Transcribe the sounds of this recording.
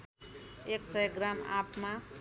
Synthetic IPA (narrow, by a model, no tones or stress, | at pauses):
eksʌjɡrama̰pma